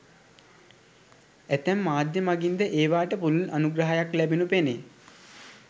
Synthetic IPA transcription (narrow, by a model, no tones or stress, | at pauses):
æt̪æmːaːd̪jəmaɡind̪əʔeːʋaːʈəpululʔanuɡɾɐɦajaklæbinupene